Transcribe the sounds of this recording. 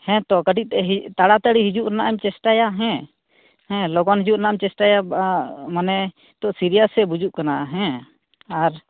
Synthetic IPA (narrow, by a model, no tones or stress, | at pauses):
hɛ̃t̪ɔʔkəɖit̪̚ˀt̪ɛɦit̪aɽat̪aɽiɦid͡ʒuʔɾɛnaʔamt͡ʃɛsʈajaɦɛ̃ | hɛ̃lɔɡɔnɦid͡ʒuʔɾɛnaamt͡ʃɛsʈaja | manɛ | t̪ɔʔsiɾijasɛbud͡ʒuʔkanaʔɦɛ̃ | aɾ